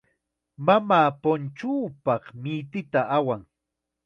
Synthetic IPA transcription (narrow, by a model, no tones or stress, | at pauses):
mamaːpont͡ʃuːpɑχmɪjt̪ɪt̪aʔawaŋ